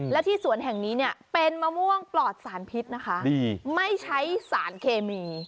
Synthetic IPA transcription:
lɛː˦˥t̪ʰiː˥˩su˨˩˦ənɦɛ˨˩ŋniː˦˥ni˥˩ɐpe˧nmaː˧mu˥˩əŋplɔː˨˩t̪̚saː˩˦npʰi˦˥t̪̚na˦˥kʰa˦˥ʔdiː˧ma˥˩jt͡ɕʰa˦˥jsaː˩˦nkʰeː˧miː˧

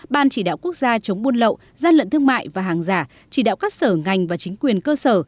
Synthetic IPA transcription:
ɓaː˨˩nt͡ɕi˧˩ɗa̰ː˧˨wku˦˥ək̚zaː˧t͡ɕə˨˦wŋ͡mɓu˧ənlə̰˧˨w | zaː˧nlə̰˧˨nt̪ʰəŋma̰ː˧˨jvaː˨˩ɦaː˨˩ŋzaː˧˩ | t͡ɕi˧˩ɗa̰ː˧˨wkaː˦˥k̚səː˧˩ŋa˨˩jŋ̟vaː˨˩t͡ɕï˨˦ŋ̟kwi˨˩ənkəː˧səː˧˩

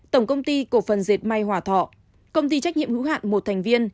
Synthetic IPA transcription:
t̪ə˧˩wŋ͡mkə˧wŋ͡mt̪i˧ko˧˩fə˨˩nze˨˩t̚ma˧jhwaː˧˩t̪ʰɔ̰˧˨ | kə˧wŋ͡mt̪i˧t͡ɕa˦˥k̟̚ɲḭ˧˨əhɨ̰˧˥wha̰ː˧˨nmo˨˩t̚t̪ʰa˨˩ŋ̟vi˧ən

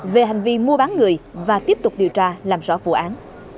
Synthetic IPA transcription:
ve˨˩ɦa˨˩jŋ̟vi˧mu˧əɓaː˨˦nŋɨ˨˩əjvaː˨˩t̪i˦˥p̚t̪ʊ˨˩k͡p̚ɗi˨˩əwt͡ɕaː˧laː˨˩mzɔ̰˧˩vṵ˧˩˨ʔaː˨˦n

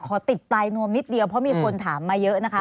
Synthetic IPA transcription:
kʰɔː˩˦t̪i˨˩t̪̚plaː˧jnu˧əmni˦˥t̪̚di˧əwpʰɾɔ˦˥miː˧kʰo˧nt̪ʰaː˩˦mːaː˧jɤ˦˥ʔna˦˥kʰa˦˥

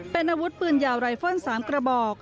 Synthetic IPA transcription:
pe˧nʔaː˧wu˦˥t̪̚pɯː˧˩njaː˨˩wɾa˧jfo˥˩nsaː˩˦mkɾa˧bɔː˨˩k̚

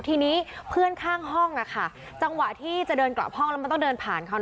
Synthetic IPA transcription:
t̪ʰiː˧niː˦˥pʰɯ˥˩ənkʰaː˥˩ŋɦɔ˥˩ŋʔa˨˩kʰa˥˩ | t͡ɕa˧ŋwa˨˩t̪ʰiː˥˩t͡ɕa˨˩dɤː˧nkla̰˨˩p̚hɔ˥˩ŋlma˧˥˧t̪ɔ˥˩ŋdɤː˧npʰaː˨˩nkʰa˧˩

